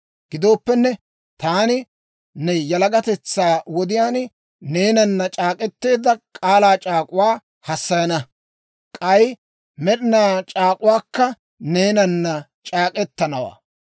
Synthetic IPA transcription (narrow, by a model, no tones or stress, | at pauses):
ɡ̥ɪd̪o̞ːpːɛnːɛ | t̪aːnɪ | nɛjɐlɐɡɐt̪ɛt͡sːaːwɔd̪ɪjaːn | ne̞ːnɐnːɐt͡ʃʼaːkʼɛt̪ːe̞ːd̪ɐkʼaːlaːt͡ʃʼaːkʼʊwaː | hɐsːɐjɐnɐ | kʼɐj | mɛɾɪnaːt͡ʃʼaːkʼʊwaːkːɐ | ne̞ːnɐnːɐ | t͡ʃʼaːkʼɛt̪ːɐnɐwa̰ː